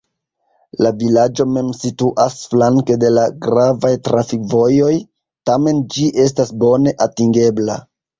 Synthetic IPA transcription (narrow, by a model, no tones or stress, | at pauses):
lavilad͡ʒo̞me̞msituʔasflaŋke̞de̞laɡɾavajtɾafikvo̞jo̞j | tame̞nd͡ʒiʔe̞s̬tasbo̞ne̞ʔatiŋɡe̞bla̰